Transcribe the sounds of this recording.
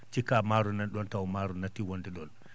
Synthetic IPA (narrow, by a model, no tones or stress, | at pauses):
t͡ʃikamaːɾunanɗɔntawmaɾunatːiwondɛɗɔn